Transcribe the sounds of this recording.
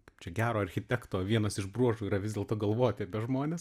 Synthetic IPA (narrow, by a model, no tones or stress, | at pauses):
kɐɪpt͡ʃʲɛɡʲæːɾoːɐɾʲxʲɪt̪ʲɛkt̪oːʋʲiɛnɐsɪʒbruɔʒuːiːɾɐʋʲɪzd̪ʲeːlˠt̪oːɡɐlˠʋoːjt̪ʲɪɐpʲɛʒmoːnʲes